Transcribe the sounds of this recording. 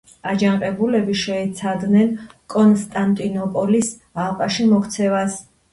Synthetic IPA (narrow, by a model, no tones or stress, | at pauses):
ad͡ʒaɴqʼɛbulɛbiʃɛɛt̪sʰad̪nɛnkʼɔnst̪ʼant̪ʼinɔpʼɔlis | alˠqʼaʃimɔkʰt̪sʰɛvas